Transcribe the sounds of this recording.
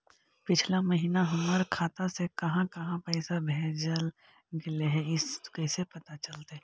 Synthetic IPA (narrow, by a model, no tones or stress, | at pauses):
pɪt͡ʃʰlamɐɦiːnaɦʊməɾkʰaːt̪asekɐɦãkɐɦãpɛːɪsabʱɛːd͡ʒəl | ɡɪleɦɛɪskɛːsepɐt̪at͡ʃɐlt̪eɦɛ̃